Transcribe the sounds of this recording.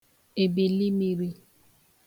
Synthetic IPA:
e˨be˨li˦mi˦ɾi˦

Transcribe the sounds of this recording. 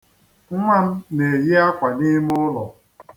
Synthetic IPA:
ŋ̩˦ŋʷa˦m̩˦ne˨ji˦a˦kʷa˨ni˦m˦ʊ˦lɔ̰˨

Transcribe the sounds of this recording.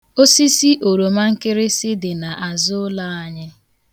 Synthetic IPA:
o˦si˦si˦ʔo˨ɾo˨ma˦ŋ̩˦kɪ˦ɾɪ˦sɪ˦dɪ˨na˨ʔa˨zʊ˦la˦a˦ɲɪ˦

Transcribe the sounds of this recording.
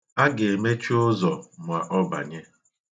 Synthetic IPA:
a˦ɡe˨e˨me˦t͡ʃu˦o˦zɔ˨mʷ˨a˨ʔɔ˦ba̰˨ɲe˦

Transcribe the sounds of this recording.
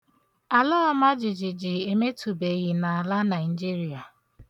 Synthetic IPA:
a˨la˦a˦ma˦d͡ʒɪ˨d͡ʒɪ˨d͡ʒɪ˨e˨me˦tu˨be˨ɣi˨na˨a˨la˦na˨ɪ˨d͡ʒi˦ɾi˨a˨

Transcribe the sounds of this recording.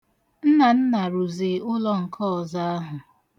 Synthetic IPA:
n̩˦na˨n̩˦na˨ɾu˨ze˨ʊ˦lɔ˦ŋ̩˨kʰɔ˦˨za˦a˦ɦʊ˨

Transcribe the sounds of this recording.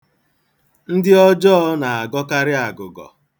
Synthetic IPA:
n̩˦dɪ˦ɔ˦d͡ʒɔ˦ɔ˦na˨a˨ɡɔ˦ka˦ɾɪ˦a˨ɡʊ˨ɡɔ̰˨

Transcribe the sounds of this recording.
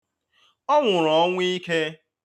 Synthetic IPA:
ɔ˦ŋʷʊ˨ɾɔ˨˦ŋʷ˦i˦ke˦

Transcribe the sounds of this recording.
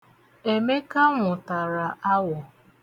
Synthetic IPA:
e˨me˦ka˦ŋʷʊ˨ta˨ɾa˨ʔa˦wɔ˨

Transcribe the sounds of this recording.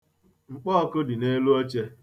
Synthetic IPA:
ŋ͡m̩˨k͡pɔː˦ɔ˦kʊ˦dɪ˨ne˦lu˦o˦t͡ʃe˦

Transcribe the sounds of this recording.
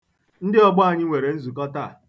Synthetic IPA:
n̩˦dɪ˦ɔ˦ɡ͡bʊ˦a˨ɲɪ˦ŋʷe˨ɾe˨n̩˦zu˨kɔ˦ta˦˨

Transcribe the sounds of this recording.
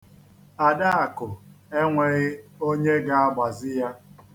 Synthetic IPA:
a˨da˦a˨kʊ˨e˦ŋʷe˨ɣɪ˦o˦ɲe˦ɡa˦a˦ɡ͡ba˨zɪ˦ja˦

